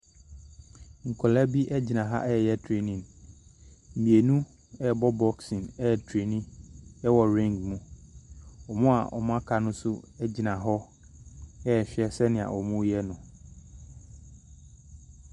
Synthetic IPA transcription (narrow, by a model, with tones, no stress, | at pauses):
ŋ̩˨kʰɔ˨lɛ˦bi˦ʔɛ˦d͡ʑi˨nã˨ɦa̰˦ʔɛ˦ɛ˨jɛ˦tʰɾe˨nĩ˨n | m̩˨mĩ˨e˨nũ˦ | ɛ˦˨bɔ˦bɔ˦ksɪ̃˨nɛ˦˨tʰɾe˨nĩ˦ɛ˦wɔ˨ɾĩ˦ŋɡmũ˦ | ɔ˨mʊ̃˦a̰˨ʔɔ̰˨mʊ̃˦a˦kʰa˨nʊ̃˦sʊ˦ɛ˦d͡ʑi˨nã˨ɦɔ˦ | ɛ˦ɛ˨ɕᶣɛ˦sɛ˦nɪ̃˨a̰˨ʔɔ˨mũ˦jɛ˦nʊ̃˨